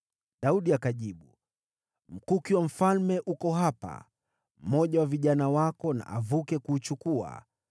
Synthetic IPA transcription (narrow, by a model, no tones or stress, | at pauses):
ɗauɗiakaʄiɓu | m̩kukiwam̩falmɛʔukɔɦapa̰ | m̩mɔʄawaviʄanawakɔna̰ʔavukɛkuːt͡ʃukua̰